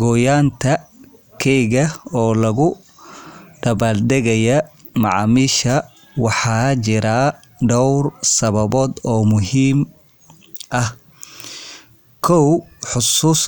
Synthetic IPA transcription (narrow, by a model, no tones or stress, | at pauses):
ɡɔːjaːnt̪ʰɐ | kʰɛjɣɐɔːlɐɣʊ | ɖ̥ɐβaːld̪ɛɣɐjɐ | mɑʕɑːmiːʃɐ | wɑħɑt͡ʃɪɾa | ɖɔwrsɐβɐβɔːd̪ɔːmʊɦiːm | ʔɐh | kʰɔwħʊsuːs